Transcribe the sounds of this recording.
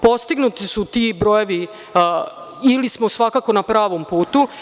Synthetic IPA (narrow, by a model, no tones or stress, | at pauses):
po̞st̪iɡnut̪isut̪ibɾo̞jeʋi | ilismosʋakako̞napɾaːʋo̞mpuːt̪u